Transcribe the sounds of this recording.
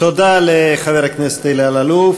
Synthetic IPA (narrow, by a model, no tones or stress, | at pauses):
t̪od̪aleχaveʁaknese̥t̪ailialaluf